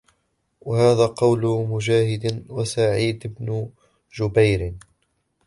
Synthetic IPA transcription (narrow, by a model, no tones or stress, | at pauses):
wahaːðaːqɑwlʊmʊd͡ʒaːhɪd̪wasaʕiːd̪ɪbnʊ | d͡ʒʊbajɾɪ